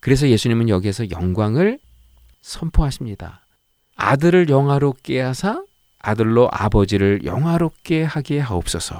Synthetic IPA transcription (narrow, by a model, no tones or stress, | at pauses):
kɯɾe̞s̬ʰʌje̞sʰuɲimɯnjʌɡiɦe̞sʰʌjʌ̰ŋɡwaŋɯɭ | sʰʌmpʰoɦaɕʰimɲida̰ | a̰dɯɾɯɭjʌŋɦwaɾok͈eɦasʰa | adɯɭːoʔa̰bʌd͡ʑiɾɯɭjʌ̰ŋɦwaɾok͈e̞haɡeɦaop̚s͈ʌsʰʌ